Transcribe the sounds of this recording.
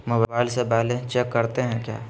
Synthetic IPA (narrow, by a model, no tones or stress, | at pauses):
mobbaːɪlsebaɦlẽt͡ʃɛkːɐɾt̪eɦɛ̃kja̰ː